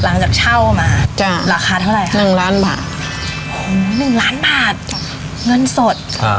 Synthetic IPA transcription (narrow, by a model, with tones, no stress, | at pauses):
la˩˦ŋt͡ɕaː˨˩k̚t͡ɕʰa˥˩wmaː˧t͡ɕa˥˩ɾaː˨˩kʰaː˧t̪ʰa˥˩wɾa˨˩jkʰanɯ˨˩ŋlaː˦˥nba̰ː˨˩t̪̚ | ʔo˧˩˦nɯ˨˩ŋlaː˦˥nbaː˨˩t̪̚ | ŋɤ˧˥˨nso˨˩t̪̚ʰa̰˧